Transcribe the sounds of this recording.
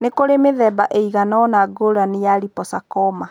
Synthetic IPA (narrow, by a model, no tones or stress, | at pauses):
nekoɾemeðɛbaʔeiɣanɔnaɡoɾanejaɾipɔsakɔma